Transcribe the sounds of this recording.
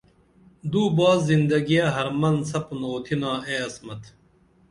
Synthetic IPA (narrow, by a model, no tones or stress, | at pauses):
d̪uːbɑːzːind̪ɐɡijɐɦɐɾmɐnsɐpnoːt̪ʰinaːeːɐsmɐt̪ʰ